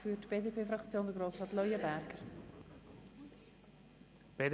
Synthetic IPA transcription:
fyːtb̥eːdepʰeːfɾɑkt͡sjoːnd̪əɡɾoːsrɑːtlɔjəbæɾɡ̥əɾ | b̥eː

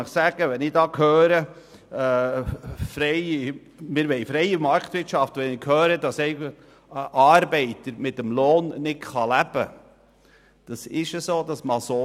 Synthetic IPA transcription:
nɪχsæɡ̥əʋɛnɪdɑːkhøːɾə | fɾɛɪ | mɪːɾʋɛɪfɾɛɪəmɑɾktʋɪɾtʃɑftʋɛnɪkʰhøːɾədɑsɛɪ | ʔɑːɾbɛɪtəɾmɪtəmloːnːɪtχɑlæb̥ə̰ | d̥ɑsɪʃəsoːdɑsmɑso

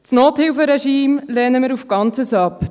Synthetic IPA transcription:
snoːthɪlfəɾɛʃiːmlɛːnəməɾufɡ̥ɑnt͡səsɑp

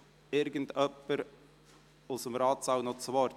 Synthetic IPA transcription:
ɪɾɡəndœpːəɾ | ʊsəmɾɑːt͡sawnɔt͡svɔ

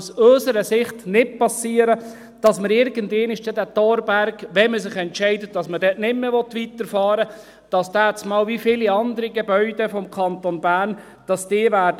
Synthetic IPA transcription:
søːsəɾəsɪχtnɪt̚pɑsiːəɾə | d̥ɑsməɾɪɾɡəndeːnɪʃd̥ɛdætɔɾbæɾkʋɛməsɪχɛntʃɛɪdət̚d̥ɑsmədɛʔnɪmːəʋɔt̪ʋitəɾfɑːɾə | d̥ɑsd̥æːt͡smɑːlʋifiːliɑnd̪əɾiɡebœʏd̥ɛfɔmkʰɑntonbæːn | d̥ɑsd̥ɪːʋæːd

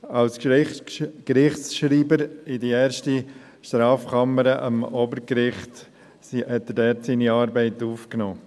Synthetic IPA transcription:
ɑlsk | kɾɪχtsʃɾiːbəɾɪdiɛːɾʃti | ʃtɾɑːfkʰɑməɾəʔə̰mobəɾkɾɪχt | sihɛt̪ːədɛːtsiːniɑːɾbɛɪtuːfknɔː

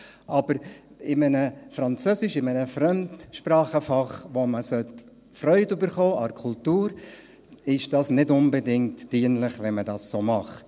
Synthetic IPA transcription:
ʔɑb̥əɾ | ɪmənəfɾɑnt͡søsɪʃɪmənəfrœmtʃpɾɑːχəfɑχʋoməsœt | frœʏtʉbəɾχɔːʔɑɾkʰultuːɾ | ɪʃd̥ɑːsnɪdʊnbɛdɪŋtd̥iənlɪχʋɛnmədɑːssoːmɑχt

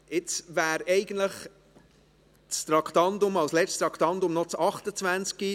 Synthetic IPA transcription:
ɪt͡svæːɾɛɪɡən̩tləχ | t͡st̪ɾɑkʰt̪ɑndʊmɑwslɛt͡stt̪ɾɑkχt̪ɑnd̪ʊmnɔt͡sɑχt̪ət͡svænt͡ski

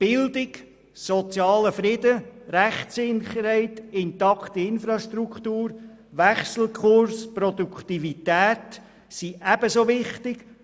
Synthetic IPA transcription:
b̥ɪld̪ɪɡ | sɔt͡sjɑːləfɾɪd̪əɾæχsɪnχəɾhɛɪtɪnt̪ɑkʰt̪iɪnfɾɑʃt̪ɾukχt̪uːɾ | ʋæχsl̩kʰχʊɾspɾɔd̪ukχt̪ivitæːt̪ | siʔæb̥əsoːʋɪχt̪ɪɡ

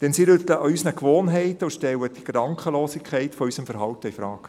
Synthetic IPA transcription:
d̥ɛnsiɾʏt̪ləʔɑysnəkʋoːnɦɛɪtəuʃtɛwəd̥iɡ̥ɾɑŋkχəloːsikʰχɛɪtfɔysəmfəɾɦɑwtəifɾɑːk

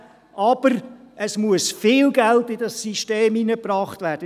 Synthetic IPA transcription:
ʔɑb̥əɾ | ʔəsmuəsfɪːlɡæltɪdɑsːiʃteːminəprɑːχtvæːɾd̥ə

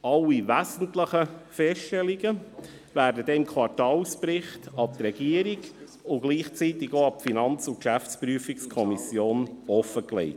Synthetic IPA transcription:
ɑlːiʋæzən̩tləχəfɛsttɛliɡə | væːɾdədɛɪmkʰwɑɾtɑːlspɾɪχtɑp̚t̪ɾɛɡ̥iəɾiɡ | ʊɡ̥liːχt͡siːtɪɡoɑp̚finɑnt͡sʊkʃæft͡spryəfikskʰɔmisjoːnɔfəklɛ̰ɪt

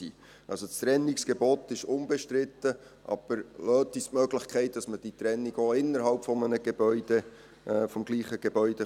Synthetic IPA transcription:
iː | ʔɑlsost̪ɾɛnːɪksɡ̥eboːt̪ɪʃʊnbɛʃtɾɪt̪ːə | ʔɑ̰b̥əɾløːt̪istmœːɡlɪχkʰɛɪt̚d̥ɑsməd̥it̪ɾɛnːiɡoːɪnːəɾhɑlpfɔmənəɡ̥ebœʏd̥e | ʔfɔmɡliːχəɡ̥ebœʏd̥ɛ

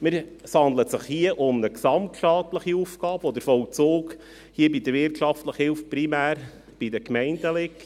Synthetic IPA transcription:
mɪɾsɑndlət̪səχhiəʔʊmnəksɑmtʃtɑːt̪ləχiufɡ̥ɑːbəɔd̪əɾfɔlt͡soːk | hiəbid̪əɾvɪɾtʃɑftləχhɪlfpɾimæːɾ | b̥idəkmɛɪnd̪əlɪk

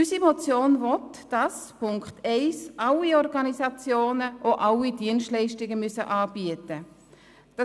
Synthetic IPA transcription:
ysimɔt͡sjoːnvɔtd̥ɑspʊŋkχtɛɪsʔɑliɔɾɡɑnisɑt͡sjoːnəʔoʔɑlidiənstlɛɪʃtɪɡəmysəʔɑːb̥iətə | d̥ɑ

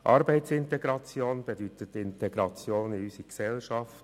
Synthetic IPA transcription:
ʔɑːɾbɛɪtsɪntɛɡɾɑt͡sjoːnb̥edyt̪ətɪntɛɡɾɑt͡sjoːnɪysiksɛlʃɑft

